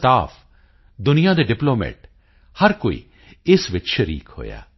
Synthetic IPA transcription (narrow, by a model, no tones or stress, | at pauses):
st̪aːpʰ | d̪ʊnijãːd̪eːɖɪploːmḛːʈ | hɐɾkoːḭː | ɪsʋɪtːʃʰɾḭːkɦo̰ːja̰ː